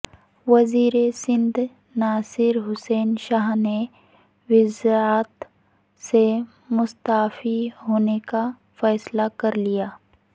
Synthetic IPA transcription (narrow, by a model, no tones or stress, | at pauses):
ʋɐziːɾesɪ̃nd̪ʱ | naːsɪɾɦʊsɛːnʃaːɦne | ʋɪzɾaːt̪ | se | mʊst̪aːfiɦoːneka | fɛːslakɐɾlijaː